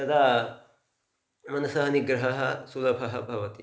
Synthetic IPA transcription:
t̪ɐd̪aː | mɐnɐsaɦɐniɡɾɐɦɐɦɐ̆sulɐbʱɐɦɐ̆bʱɐʋɐt̪i

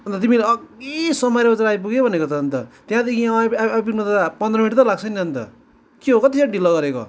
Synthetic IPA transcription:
ʌnt̪ʌt̪imilaesʌmʌjɾʌbʌt͡saɾaːjp̬uɡebʱʌnekot͡sʰʌːnt̪ʌt̪jãd̪ekʰipint̪ʌapʌnd̪rʌmiʈt̪ʌlaɡt͡sʰʌjneɦʌnt̪ʌ̰ | kiɦokʌt̪isʰãɖilʌɡʌɾeko̰

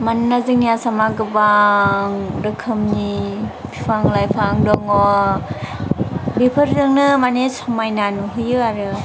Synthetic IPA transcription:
mannazɯŋnijasamaɡɯbaŋɾɯkʰɯmnipʰipʰaŋlajpʰaŋdɔŋɔ | bipʰɯɾdɯŋnɯmanesɔmajnanuɦɯjɯaɾɯ

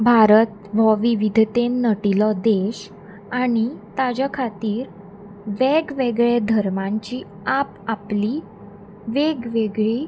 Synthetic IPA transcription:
bʱaɾət̪ʋɔʋiʋid̪ʱt̪enːəʈilɔd̪eɕ | aɽ̃it̪ad͡ʑakʰat̪iːɾ | ʋeɡʋeɡɭed̪ʱəɾmãɲt͡ɕiː | ap | apli | ʋeɡʋeɡɭe

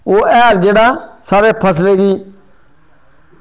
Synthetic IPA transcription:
oːɛːld͡ʒeːɽaːsaːɾeːpʰəs̬leːɡiː

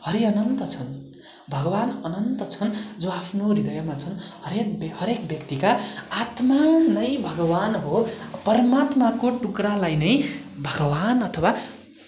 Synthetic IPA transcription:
hʌɾiʌnʌnt̪ʌt͡sʰʌn | bʱʌɡʌwanʌnʌnt̪ʌt͡sʰʌnd͡zoapʰnoɾid̪ʌjʌmat͡sʰʌnɦʌɾekbhʌɾekbjʌkt̪ikaːt̪manʌjbʱʌɡʌwanɦopʌrʌmat̪makoʈukralajnʌj | bʱʌɡʌwanʌt̪ʰʌwa

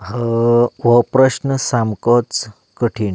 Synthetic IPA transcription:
ɦəʋəpɾəɕnəsamkɔt͡s | kəʈʰiːn

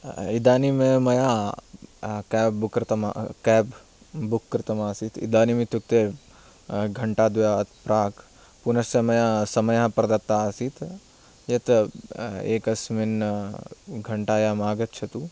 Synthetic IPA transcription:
id̪aːnimẽːmɐjaː | kɛːbbukɾɪt̪ɐma̰kɛːb | bukːɾt̪ɐmaːsiːt̪ḭd̪aːnimit̪uk̚t̪e | ɡʱɐɳʈaːd̪ujaːɐt̪pɾaːk | punɐssemɐjaːsɐmɐjaɦpɾɐd̪ɐt̪ːasiːt̪ | jɐt̪ | ḛːkɐsmin | ɡʱɐɳʈaːjaːmaːɡɐt̪̚t͡ʃʰɐt̪uː

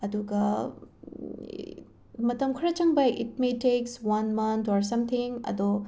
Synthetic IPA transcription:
ɐduɡɐ | mɐtɐmkʰɾɐt͡ʃɐŋbɐḭt̚metekswɐnmɐntʰoɾs̬ɐmt̪ʰiŋɐ̰do

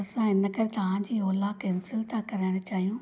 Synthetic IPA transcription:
ɐsãɪnəkɐɾt̪ɐʋ̤ãːd͡ʑiːoːlakensɪlt̪ʰãkɐɾaːɪɽ̃ʊt͡ɕaːɦijũː

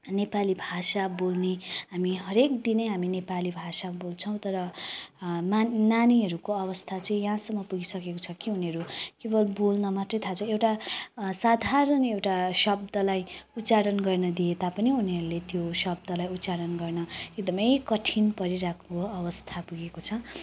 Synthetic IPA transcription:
nepalibʱasabolneɦamiɦʌɾekd̪inʌjɦaminepalibʱasabolt͡sʰʌw̃t̪ʌɾʌ | mananiɦʌɾukoʌβʌst̪ʰat͡sʌĩjɦãsʌmːʌpuɡisʌkekot͡sʰʌkiɦuneɦʌɾukebʌlbolnʌmat̪rʌjt̪ʰat͡sʰʌewʈasad̪ʱaɾʌnewʈasʌb̚d̪ʌlajut̪ːt͡saɾʌnɡʌrnʌd̪iet̪apʌniuniɦʌɾulet̪josʌb̚d̪ʌlajut̪t͡saɽʌnɡʌrnʌek̚d̪ʌmʌjkʌʈʰinpʌɾiɾakʰoʌbʌst̪ʰapuɡekot͡sʰʌ

